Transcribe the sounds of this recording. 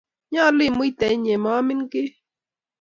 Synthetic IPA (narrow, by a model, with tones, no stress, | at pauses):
ɲaː˦limʊjt̪a˨i˦ɲe˨maː˦mɪŋkɪ˦